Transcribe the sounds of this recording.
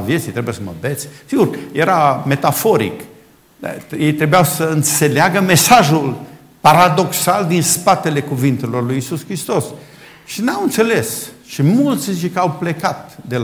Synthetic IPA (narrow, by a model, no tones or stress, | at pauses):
vje̞t̪sit̪ɾebujesəmə̰bet̪sʲsiɡurje̞ɾame̞t̪afo̞ɾḭk | jejt̪ɾe̞bujawsəɨnt̪se̞leaɡəme̞saʒul | paɾad̪o̞ksald̪inspat̪e̞le̞kuvint̪e̞lo̞rlujisuskɾist̪o̞s | ʃinawɨnt̪sele̞sʃimult̪sʲt͡ʃkawple̞kat̪̚d̪e̞l